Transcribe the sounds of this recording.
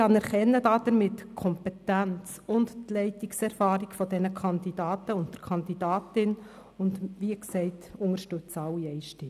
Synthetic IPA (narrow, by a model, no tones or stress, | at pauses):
ɑnɛɾχɛnːəd̥ɑːd̥əɾmɪtkʰɔmpɛtænt͡s | ʊndtlɛɪtiksɛɾfɑːɾiɡfɔd̥ɛnəkʰɑnd̪id̥ɑːtəʊnt̚d̥əɾkʰɑnd̪idɑːtɪn | ʊndʋiəksɛɪtʊŋəɾʃtøt͡sɑwːiɛɪʃti